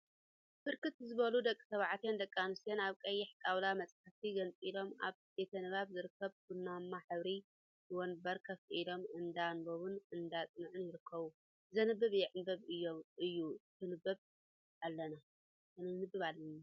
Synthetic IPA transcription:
bɨɾkɨt̪zɨβɐlud̪ɐkʼːi̥sɐβʕat̪ʰjend̪ɐkʼːanɨsjenaβkʼɐjːɪħkʼawlamɐt͡sʼħaft̪iɡɐnt͡sʼilo̞ma̰βbet̪ʰɐnɨβaβzɨɾɨkʰːɐβbɨnːamːaħɨβɾi | ɨwonbɐɾkʰɐfʔilo̞mɨnd̪anboβunɨnd̪at͡sʼnɨʕɨnjɪɾɨkʰːɐβu | zɐnɨbːɨβjɛʕɨnbɐβɨjːoɨjːut̪ʰɨnɨbɐβ | ʔalːɐna | kɨnɨnɨbːɨβalːɐna

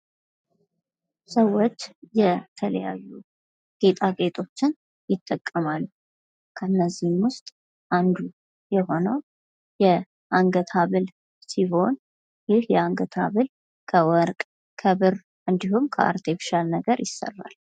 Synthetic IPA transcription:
səwːo̞t͡ʃːjɛt̪ʰələ̰ja̰jːu | ɡ̥e̞t̪ʼaɡe̞t̪ʼo̞t͡ʃːɪn | jɪt̪ʼːəkʼːəmalː | kʰəɨnːəzːihmwʊst̪ʼ | ʔand̪u | jɛɦo̞nəw | jɛ | ʔaŋɡət̪ʰaβɨl | siho̞n | jɪhjɛaŋɡət̪ʰaβɨl | kʰəwɔɾkʼ | kʰəβɨɾ | ʔɨnd̪ihumkʰəʔa̰ɾt̪ʰefʃalnəɡəɾjɪsːə̰rːa̰l

